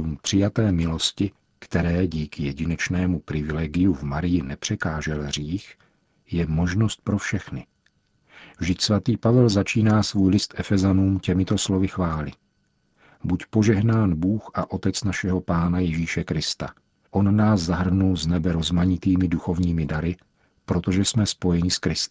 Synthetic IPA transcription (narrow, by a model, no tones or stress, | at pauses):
umpr̝̥ɪjat̪ɛːmɪlo̞scɪ | kt̪ɛɾɛːɟiːkɪjɛɟɪnɛt͡ʃnɛːmupɾɪvɪlɛːɡɪjuvmaɾɪjɪnɛpr̝̥ɛkaːʒɛlɦr̝iːx | jɛmo̞ʒno̞st̪̚pɾo̞fʃɛxnɪ | vʒdɪcsvat̪iːpavɛlzat͡ʃiːnaːsvuːjlɪst̪ʔɛfɛzanuːmcɛmɪt̪o̞slo̞vɪxvaːlɪ | bucpo̞ʒɛɦnaːnbuːxʔaʔo̞t̪ɛt͡snaʃɛɦo̞paːnajɪʒiːʃɛkɾɪst̪a̰ | ʔo̞nnaːszaɦr̩nulznɛbɛɾo̞zmaɲɪt̪iːmɪduxo̞vɲiːmɪdaɾɪ | pɾo̞t̪o̞ʒɛsmɛspo̞jɛɲɪskɾɪst̪